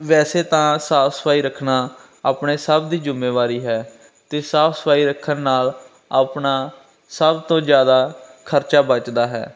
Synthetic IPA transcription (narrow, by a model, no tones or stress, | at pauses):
ʋɛːseːt̪ãːsaːpʰsə̥pʰaːiːɾəkʰnaː | aːpɳeːsəbd̪iːd͡ʒɪmːeːʋaːɾiːɦɛː | t̪eːsaːpʰsə̥pʰaːiːɾəkʰːənːaːl | aːpɳaː | səbt̪õːzjaːd̪aːkʰəɾt͡ʃaːbət͡ʃd̪aːɦɛ̰ː